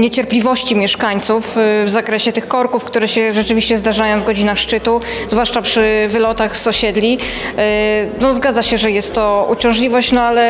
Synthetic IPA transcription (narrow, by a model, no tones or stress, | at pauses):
ɲet͡ɕɛɾplʲivɔɕt͡ɕimʲjɛʂkaɲt̪sufvzakɾɛɕɛt̪ɘxkɔɾkufkt̪uɾɛɕɛʐɛt͡ʂɘvʲiɕt͡ɕɛzd̪aʐajɔ̃w̃vɡɔd͡ʑinaxʂt͡ʂɘt̪uzvwaʂt͡ʂapʂɘvɘlɔt̪axsɔɕɛd̪lʲi | nɔzɡad̪zaɕɛʐɛjɛst̪ːɔut͡ɕɔ̃w̃ʐlʲivɔɕt͡ɕnɔalɛ